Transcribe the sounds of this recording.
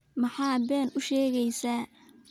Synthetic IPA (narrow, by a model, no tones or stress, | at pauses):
mɑħɑːbɛːnʊʃɛːɣɛjsaː